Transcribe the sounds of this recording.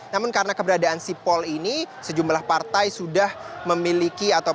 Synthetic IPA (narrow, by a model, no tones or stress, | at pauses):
namʊnkaɾənakəbəɾadaʔːnsipɔlinisəd͡ʒumlahpart̪ajsudahməmilikiat̪a